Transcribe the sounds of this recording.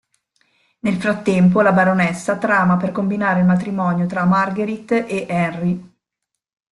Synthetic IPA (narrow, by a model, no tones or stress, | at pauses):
nelfɾat̪ːɛmp̬olabaɾonɛsːat̪ɾaːmaperkombinaːɾeilmat̪ɾimɔːnjot̪ɾamarɡeɾit̪ːʔeʔɛnri